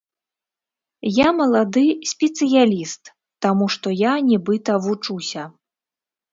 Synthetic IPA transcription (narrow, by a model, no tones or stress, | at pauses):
jamɐlˠad̪ɨsʲpʲɛt̪sɨjalʲist̪ː | amuʂt̪ɔjanʲibɨt̪ɐvut͡ʂusʲɐ